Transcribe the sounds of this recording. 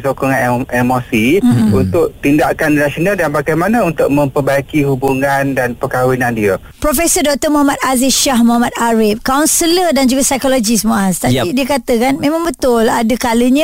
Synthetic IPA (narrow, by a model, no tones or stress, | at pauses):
sokɔŋaɛmosiunt̪ʊʔ̚t̪indaʔkannasionaldanbaɡajmanãunt̪ʊk̚mə̃mpəbajkiɦubuŋandanpəkawinandiə | pɾofesərdɔk̚t̪əmuɦamat̪̚aziʃaɦmuɦamat̪̚aɾɪp̚kawnsələdand͡ʒuɡasajkolod͡ʒismuast̪aidiəkat̪əkanmẽmãŋbət̪ʊladəkaləɲə̃